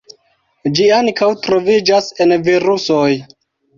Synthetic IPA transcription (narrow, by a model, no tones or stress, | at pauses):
d͡ʒiaŋkawtɾo̞vid͡ʒase̞nviɾusoj